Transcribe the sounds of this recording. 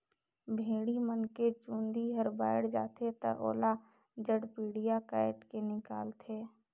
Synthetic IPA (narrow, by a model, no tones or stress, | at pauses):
bʱeːɽimənket͡ʃũːnd̪iɦəɾba̰ːɪɽd͡ʒa̰ːt̪ʰet̪ə̰ʔo̰ːla | d͡ʒəɽpiːɽijakaːɪʈkenɪka̰ːlt̪ʰeː